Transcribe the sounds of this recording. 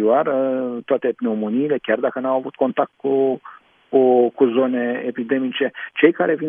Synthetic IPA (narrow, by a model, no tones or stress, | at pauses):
ioart̪oat̪e̞pneomoniːle̞kʲjard̪akənawavut̪̚ko̞nt̪ak̚t̪̚ku | kukuzo̞ne̞epid̪e̞mit͡ʃe̞t͡ʃe̞jkaɾe̞vin